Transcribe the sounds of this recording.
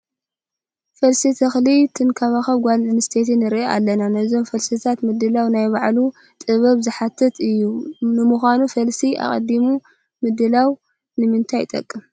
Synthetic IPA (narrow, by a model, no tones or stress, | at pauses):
fɐlsit̪ʰɐxlit̪ʰɨnkʰaβaxɐβɡʷalɨnɨst̪ʰet̪ʰinɨɾʔeʔa̰lːɐnanɐzo̞mfɐlsit̪ʰat̪mɨd̪ːɨlawnajbaʕlu | t̪ʼɨβɐβzɨħat̪ʰːɐt̪ʰɨjːunɨmuxʷanufɐlsia̰χʼɐ̰d̪ːimu | mɨd̪ɨlaw | nɨmɨnt̪ʰajt̪ʼɐ̰kʼːɨm